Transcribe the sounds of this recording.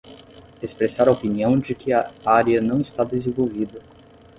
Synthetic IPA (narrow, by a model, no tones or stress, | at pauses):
espɾesaɾɐopiniɐ̃w̃d͡ʒɪkɪɐaɾiɐnɐ̃w̃ɪst̪ad̪ezẽvowvid̪ɐ